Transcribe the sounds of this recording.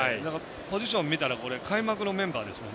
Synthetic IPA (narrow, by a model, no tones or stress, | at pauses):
id̪aka | po̞ʑiɕõ̞mːʲit̪aɾako̞ɾe̞kʰaimakɯ̟nomẽ̞mbaːd̪e̞sɨmn